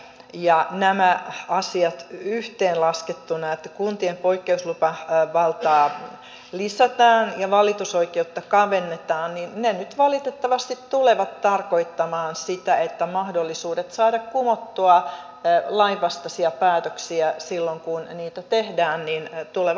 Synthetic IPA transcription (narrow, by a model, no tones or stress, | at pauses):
jɑnæmæɑsiɑt̪yht̪eːnlɑsket̪ːunɑet̪ːækunt̪iempoikːeuslupɑʋɑlt̪ɑː | lisæt̪ɑːnjɑʋɑlit̪usoikeut̪ːɑkɑʋenːet̪ɑːnninnenyt̪ʋɑlit̪et̪ːɑʋɑst̪it̪t̪uleʋɑt̪tɑrkoit̪ːɑmɑːnsit̪æet̪ːæmɑhdolːisuːdet̪sɑːdɑkkumot̪ːuɑ | lɑiʋɑst̪ɑsiɑpæːt̪øksiæsilːoŋkunniːt̪æt̪ehdæːnnint̪ule